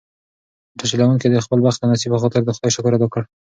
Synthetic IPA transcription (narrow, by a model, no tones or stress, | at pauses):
ʈʰaʃilawanked̪əxpəlbaxt̪d̪ənɑsibəxɔt̪ɪɾd̪əxʊd̪ɑjʃʊkɔɾat̪wəkəɽ